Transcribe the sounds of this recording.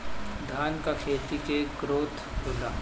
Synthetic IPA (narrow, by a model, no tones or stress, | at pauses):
d̪ʱaːnkakʰeːt̪ikekɾoːt̪ʰ | ɾʊlaː